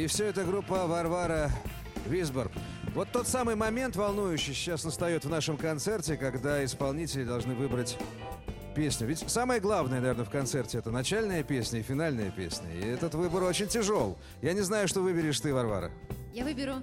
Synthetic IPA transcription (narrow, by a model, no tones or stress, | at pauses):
ɪfsʲɵɛt̪əɡɾupːəvɐrvaɾə | vʲizbər | vo̞t̪ːo̞t̪samɨjmɐmʲe̞nt̪vɐlˠnujʉɕːɪjt͡ɕːasnəst̪ɐjo̞t̪vnaʂɨmkɐnt̪sɛrtʲɪkɐɡd̪aɪspɐlˠnʲitʲɪlʲɪd̪ɐlˠʐnɨvɨbɾətʲ | pʲesʲnʲʊvʲɪtʲsaməjəɡlˠavnəjənɐvʲe̞rnəfkɐnt̪sɛrtʲɪɛt̪ənɐt͡ɕælʲnəjəpʲesʲnʲəɪfʲɪn̪alʲnəjəpʲḛsʲnʲə̰ɪ̰ɛt̪ət̪vɨbəɾo̞t͡ɕɪnʲtʲɪʐo̞lˠ | janʲɪznajʊʂt̪o̞vɨbʲɪɾʲɪʂt̪ɨvɐrva̰ɾə̰javɨbʲɪɾʲʊ